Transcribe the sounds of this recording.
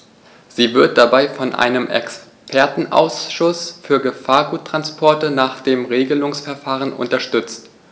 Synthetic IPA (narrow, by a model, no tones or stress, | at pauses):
z̥iːvɪɐt̚d̥abaɪfɔnʔa̰ɪnəmʔɛ̰ks | pʰɛɐtn̩ʔa̰ʊsʃʊsfyːɐɡəfaːɐɡuːtʁ̥anspʰɔɐtənaːχd̥eːmʁeːɡəlʊŋsfɛɐfaːʁənʔʊ̰ntɐʃtʏt͡st